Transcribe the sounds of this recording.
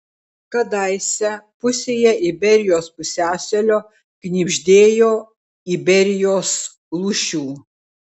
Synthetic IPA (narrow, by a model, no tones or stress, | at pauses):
kɐd̪ɐɪsʲɛpʊsʲeːjɛʔɪbʲɛɾʲɪjoːspʊsʲæːsʲɛlʲoː | knʲiːbʲʒʲd̪ʲeːjoː | ibʲɛɾʲɪjoːs | lˠuʃʲuː